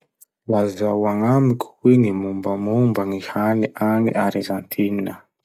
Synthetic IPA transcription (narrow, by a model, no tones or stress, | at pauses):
lazawaŋamikʰu̥weŋimumbamumbaŋihaniʔanḭʔaɾizant̪ʰininə